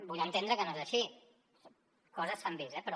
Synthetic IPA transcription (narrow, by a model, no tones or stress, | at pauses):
buʎant̪end̪ɾəkənoezəʃi | kɔzəsambizɛpəɾɔ